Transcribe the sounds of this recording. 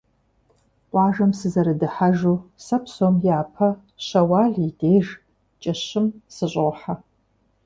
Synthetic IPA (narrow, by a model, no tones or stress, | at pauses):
ʔʷʼɑːʒɐmsɨzɐɾɨdɨħaʒuːsɐpsoːmjaːpʰɐ | ɕɐwaːɮideːʒ | t͡ʃʼɐɕɪmsɨɕʼoħa